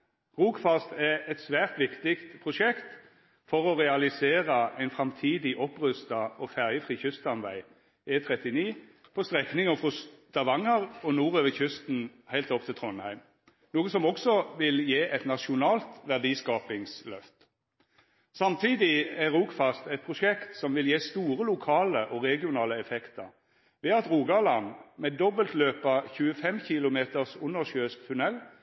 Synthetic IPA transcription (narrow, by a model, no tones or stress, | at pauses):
ʁuːkfɑst̪ɛɛt̪sʋæːʁt̪ʋɪkt̪ɪkt̪pʰʁʊʃɛkt̪ | fɔʁɔʁɛɑlɪseːʁəʔæɪnfʁɑmt̪ʰiːd̪ɪʔɔpʁʉst̪ɑɔfæʁjəfʁiːçʉst̪ɑnʋæɪ | eːt̪ʰʁɛt̪ɪniː | pʰɔst̪ʁɛknɪŋɔfʁɔst̪ɑʋɑŋːəʁɔnuːʁøːʋəçʉst̪n̩hæɪlt̪ɔpt̪ʰɪlt̪ʰʁɔnhæɪm | nuːɡəsɔmɔksɔʋɪljeːʔɛt̪nɑʃʊnɑːlt̪ʋæʁd̪iːskɑːpɪŋslœft̪ | sɑmt̪ʰiːd̪ɪæɾuːkfɑst̪ɛt̪̚pʰʁʊʂɛkt̪sɔmʋɪljeːst̪uːʁəlʊkʰɑːləʔɔʁɛɡɪʊnɑːləɛfɛkt̪əʁ | ʋɛɑt̪ʁuːɡɑlɑnmɛd̪ɔbəlt̪løːpɑçʉːəfɛmçɪlʊmeːt̪əʁsʊnːəʁʃøːskt̪ʰʉnɛlː